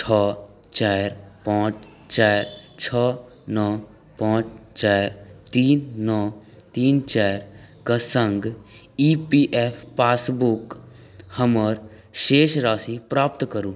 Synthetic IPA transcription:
t͡ʃʰɔː | t͡ʃaːɾpãːt͡ʃ | t͡ʃaːɾt͡ʃʰɔː | nɔː | pãːt͡ʃt͡ʃaːɾt̪iːnːɔː | t̪iːnt͡ʃɛːɾkasə̃ŋɡ | iːpiʔɛːpʰpaːsbʊk | həməɾ | ʃeːʃɾaːsipɾaːpt̪kəɾuː

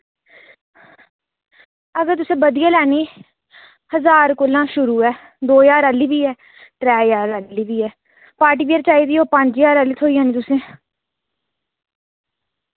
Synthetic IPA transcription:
əɡəɾt̪ʊsẽːbəd̪ijãːlɛːniː | həzaːɾkʊlãːʃʊɾuːɛː | d̪oːjaːɾəlːiːbiːɛː | t̪ɾɛːjaːɾəliːbiːɛː | paːʈiːpiːəɾt͡ʃaːiːd̪iːoːpə̃ɲd͡ʒjaːɾəlːiːt̪ʰoːiːãːnĩːt̪ʊsẽː

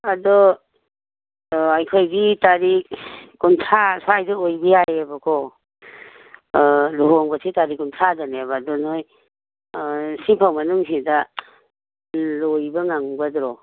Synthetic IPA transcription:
adɔ | ajkʰojbitaɾikuntʰasajdɔojbiajabakʰɔ | luɦoŋbasʰitaɾikuntʰadanebadɔnoj | sipʰawmɐnuŋsida | lojbaŋaŋbadɾɔ

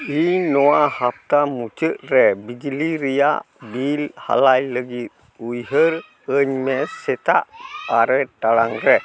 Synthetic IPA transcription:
inowahap̚t̪amut͡ʃəʔɾɛbid͡ʒiliɾija̰ʔ | bilha̰lajləɡit̪̚ | ujɦəɾ | əɲmɛsɛt̪a̰ʔaɾɛʈalaŋɾɛ

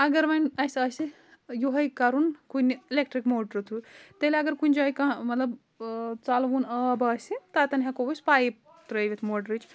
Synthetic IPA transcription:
ɐɡɐɾʋɐnɐsɐsi | juɦɐjkɐɾunkunilek̚ʈɾikmoːʈɾt̪ʰut̪eleɐɡɐɾkunʲd͡ʒajkãmɐt̪lɐb | t͡salʋuːnəbɐːsit̪at̪ɐnʲɦakobusʲpaːjip | t̪ɾɐjʋet̪ʰmoːʈɾit͡ʃ

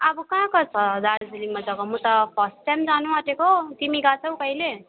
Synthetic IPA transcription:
abʌkãkʌt͡sʰʌd̪aɽd͡zilimʌd͡zʌkomʌ̃t̪ʌpʰʌsʈʈamd͡zanuaʈekot̪imiɡat͡sʰʌw̃kʌɦile

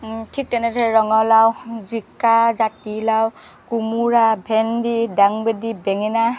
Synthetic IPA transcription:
tʰik̚tɛnɛtʰɛɹɔŋɔlawzikːazatilawkumuɹabʱɛndidaŋbedibɛŋɛna

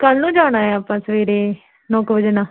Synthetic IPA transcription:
kəlnũːd͡ʒaːɽ̃aːɛaːpãːsəʋeːɾeː | nɔːkʋəd͡ʒənaː

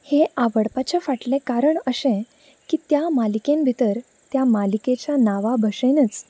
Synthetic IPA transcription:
heaʋəɽpat͡ɕafaʈlẽkaɾəɳəɕẽ | kiːt̪jamalikẽmbʱit̪əɾ | t̪jamaliket͡ɕanaʋabʱəʂenət͡s

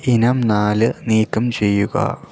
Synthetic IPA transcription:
inɐmnaːlɨniːkːɐmt͡ɕe̞jːuɣɐ̰

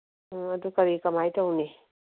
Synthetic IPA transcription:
ɐdukɐɾikɐmajtʰawne

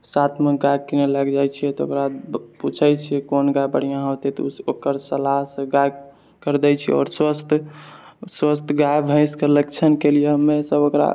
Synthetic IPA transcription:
sat̪ʰmeɡajkineləɡd͡ʒajt͡ʃʰiɛt̪ɔo̰kɾaput͡ʃʰəjt͡ʃʰikonɡajbə̰ɽ̤ijãɦəwt̪ɛt̪ɔuokəɾsəlaɦsəɡaj | kəɾd̪ɛt͡ʃʰiɔ̰ːɾswəst̪ʰ | swəst̪ʰɡajbʱə̃ɪ̃skələk̚t͡ʃʰənkelijemesəbokɾa̰

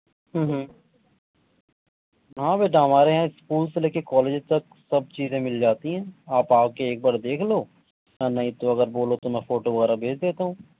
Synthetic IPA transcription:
ɦə̃ːɦ | ɦãːbeːɖaːmaːɾeɦɛ̃ɪskuːlseleːkekɔːleːd͡ʒt̪ɐk | sɐb̚t͡ʃiːzẽmɪld͡ʒaːt̪iɦɛ̃ːaːpaːp̚keeːk̚baːɾd̪eːkʰloː | nanɐɦĩt̪oɐɡəɾboːlot̪omɛ̃fʰoːʈoʋɐɣɛːɾabʱeːd͡ʒd̪eːt̪aɦũː

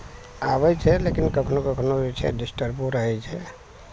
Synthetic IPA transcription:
abɛt͡ʃʰɛlekinkəkʰnokəkʰnobit͡ʃʰɛ̰ɖisʈəɾpuɾəɦɛt͡ʃʰɛ

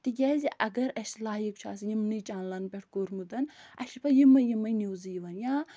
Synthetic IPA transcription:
t̪iɡʲɛːzʲiʔɐɡɐɾɐslaːjikt͡ʃʰa̰ːsijimnɨjt͡ʃʼaːnlɐnbʲeʈʰkoːɾmɨd̪ɐnɐʃipɐjimɐjimɐjnuwzijʋɐnjaː

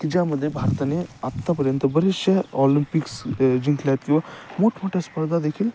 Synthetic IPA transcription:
kid͡ʒaməd̪ʱːjebʱaːɾt̪aneat̪ːapɐɾjənt̪əbɐɾiʃjɐɔlimpiksd͡ʒiŋklat̪kiʋamoʈʰmoʈʰespəɾd̪ʱad̪ekʰil

